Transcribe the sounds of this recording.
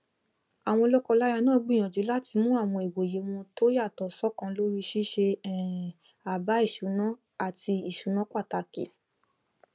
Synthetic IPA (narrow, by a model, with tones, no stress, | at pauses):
a˨w̃ɔ̃˧lɔ˦kɔ˧la˦ja˧nãː˦˨˧ɡ͡bi˦˨j̃ã˨d͡ʒu˨˦la˦ti˧mũ˦a˦˨w̃ɔ̃˧i˨wo˨je˨˦w̃ɔ̃˧to˦ja˦˨tɔ˨sɔ˦kã˧lo˦ɾi˦ʃi˦ʃe˧ɛ˨ | a˨ba˨˦i˦˨ʃu˨˦nã˦ | a˦˨ti˧i˨ʃu˨˦nã˦k͡pa˦˨ta˧ki˨˦